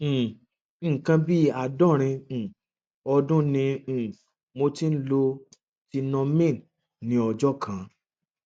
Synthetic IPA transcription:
kã˧bi˦a˨dɔ˦˨ɾ̃ĩ˧˨ | ɔ˧dũ˦nĩ˧˨ | mo˧ti˦n̩˦lo˧ | ti˧nɔ̃˧mĩ˦˨n | nĩ˨˦ɔ˧d͡ʒɔ˦kʰã˨˦

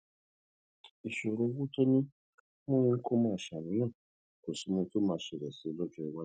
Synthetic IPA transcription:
i˨ʃo˨ɾo˨˦wu˦to˦nĩ˦ | mũ˦jĩ˧ŋ̩˦kʰo˦mãː˦˨ʃa˨nũ˨˦nãː˦˨ | ko˨si˨˦mũ˧˦to˦mãː˨˧˦ʃɛ˨ɾɛ˨si˨˦lɔ˦d͡ʒɔ˦i˨wa˦

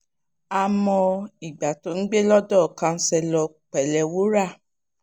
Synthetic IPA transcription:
a˧mɔ̃˧i˨ɡ͡ba˨to˨˦n̩˦ɡ͡be˦lɔ˦dɔ˦˨kã˧n̩˦sɛ˧lɔ˧ | k͡pɛ˨lɛ˨wu˦ɾa˦˨

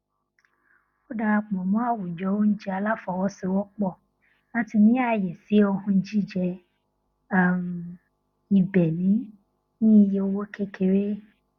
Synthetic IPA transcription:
o˦da˧a˧k͡pɔ̃˨mɔ̃˨˦a˦˨wu˨d͡ʒɔ˨˦wo˦n̩˦d͡ʒi˦a˧la˦fɔ˨wɔ˧˦si˧wɔ˦k͡pɔ˦˨ | na˦ti˧nĩ˦a˦˨jɛ˨si˨˦o˧hũ˧˦d͡ʒi˦˨d͡ʒɛ˧ | a˦˨m˨ | i˧bɛ˨nĩ˨˦ | nĩ˦˧je˧o˦˧wo˦kʰe˦kʰe˨ɾe˦

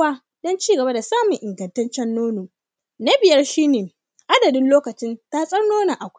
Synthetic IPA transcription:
waː˦ | dɔ˦nt͡ʃiː˦ɡɐ˨ba˦da˨saː˦mʊ˨ŋʔɪ˨ŋɡɐ˨ntɐ˦nt͡ʃɛ˦nːoː˦noː˨ | na˦bɪ˨jɐ˦rʃiː˦neː˨ | ʔa˦dɐ˨dɪ˦nloː˦kɐ˨t͡ʃɪ˦nta˦sʼɐ˦rnoː˦na˨ʔa˨kʷ

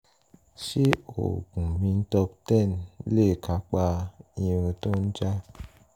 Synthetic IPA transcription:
ʃe˦o̰˨ɡu˨mi˦n̩˦tɔ˦p̚tɛ˦˨n˦le˦˨kʰa˨˦k͡pa˦ɲə̃˨to˦n̩˦d͡ʒa˦

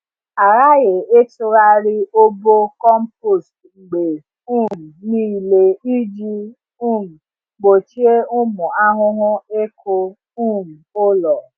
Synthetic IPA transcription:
a˨ɾa˦je˨e˦tu˧ɾa˧ɾi˦o˦bo˦kɔ˦m̩˦po˦˨stŋ͡m̩˨ɡ͡be˨ | ũ˦˨m̩˨nĩ˦i˨le˨i˦d͡ʒi˦ | u˦˨m̩˨ | ɡ͡bo˨t͡ʃi˦e˦u˦mũ˨a˦ɦʊ̃˦ɦʊ̃˦e˦kʰo˧ | ũ˦˨m̩˨o˦lɔ˨

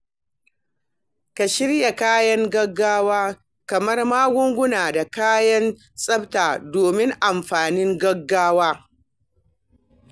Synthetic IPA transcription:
ka˨ʃɪ˦ɽja˨kaː˦jɐ˦ŋɡɐ˦ɡːaː˦waː˦ | kɐ˨mɐ˦rmaː˦ɡʷʊ˦ŋɡʷʊ˦naː˨da˨kaː˦jɐ˦n | sʼɐ˦btaː˨doː˨mɪ˦ŋʔa˨mɸaː˨nɪ˦ŋɡɐ˦ɡːaː˦waː˦

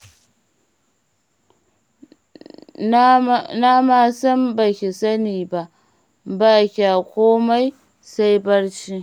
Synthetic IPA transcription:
na˦ma˦sɐ˦mba˨kʲi˨sa˦niː˨ba˨ | ba˦kʲa˨kʷoː˦ma˦j | sa˦jbɐ˦ɽt͡ʃi˦

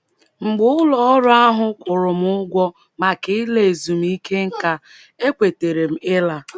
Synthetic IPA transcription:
ŋ͡m̩˨ɡ͡bʊ˦ʊ˦lɔ˨ɔ˦ɾʊ˦a˦ɦʊ˦kʷʊ˨ɾʊ˨m˦ʊ˦ɡʷɔ˦ | ma˨kɪ˨˦le˨e˨zu˨m̩˦i˦kʰe˦ŋ̩˦ka˦ | e˦kʷe˨te˨ɾe˨m̩˨ɪ˦la˨

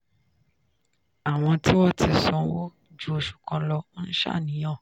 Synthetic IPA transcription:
a˨w̃ɔ̃˧ti˦wɔ˦ti˧sɔ̃˨˦wo˦ | d͡ʒu˦o˧ʃu̥˨kɔ̃˧lɔ˧n̩˦ʃa̰˦˨nĩ˨˦jɔ̃˦˨

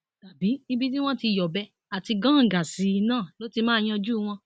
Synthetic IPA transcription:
ta˨bi˨˦i˦bi˦tĩ˦w̃ɔ̃˦ti˧˨jɔ˨bɛ˧˦ | a˨ti˧ɡã˦˨ɡa˨si˨˦˧nãː˦˨lo˨˦ti˧mãː˦˧j̃ɔ̃˧d͡ʒu˦w̃ɔ̃˧

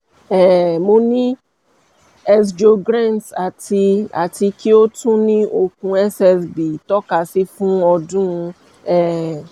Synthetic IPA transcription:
ɛ˨mo˧nĩ˦ | ɛ˦s̬d͡ʒo˧ɡɾã˦˨nta˨ti˧a̰˨ti˧ki˦o˦tũ˦nĩ˦o˨k̚ũ˧ɛ˦sɛ˨sbi˨tɔ˦ka˨si˦fũ˦ɔ˧dũ˦˧ | ɛ˨

